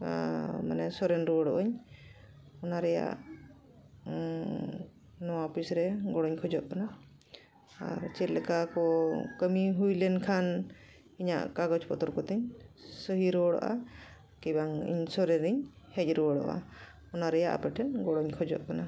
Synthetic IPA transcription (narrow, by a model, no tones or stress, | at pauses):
ma̰nɛsɔɾɛnɾɔɽɔʔɔɲ | ɔnaɾɛja̰ʔ | nɔwaɔpʰisɾɛɡɔɽɔɲkʰɔd͡ʒɔʔ̚kana | a̰ɾt͡ʃɛt̪̚lɛkakɔkəmiɦujlɛnkʰan | iɲa̰ʔkaɡɔt͡ʃpɔt̪ɔɾkɔt̪ɛɲsɔɦiɾɔɽɔ̰ʔa̰ | kibaŋḭɲsɔɾɛnɛɲ | hɛc̚ˀɾɔɽɔ̰ʔa̰ | ɔnaɾɛjaʔa̰pɛʈʰɛnɡɔɽɔɲkʰɔd͡ʒɔ̰ʔ̚kana